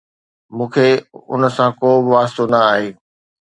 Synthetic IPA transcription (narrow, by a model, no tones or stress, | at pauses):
mũːkʰeːʊ̰nsãkoːbɪʋaːst̪onɐaːɦeː